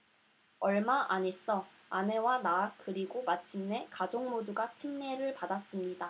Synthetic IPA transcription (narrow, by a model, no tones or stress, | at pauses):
ʌɭmaʔaɲes͈ʌ | ane̞wanaːk̚k͈ɯɾiɡomat͡ɕʰimne̞kad͡ʑoŋmoduɡat͡ɕʰimne̞ɾɯɭpadas͈ɯmɲida